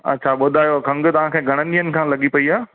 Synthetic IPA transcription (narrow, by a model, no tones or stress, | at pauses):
ɐ̰tːɕʰaɓʊd̪ʱaːjokʰɐ̃ŋɡ̆t̪ɐʋ̤ãkʰẽːɡʱɐɽ̃ənijənɪ̆kʰãːlɐɡipɐiaː